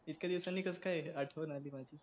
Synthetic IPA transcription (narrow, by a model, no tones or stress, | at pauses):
it̪̚kʲjad̪iʋsanːiːkəskajaʈʰəʋənaliːmad͡ʑiː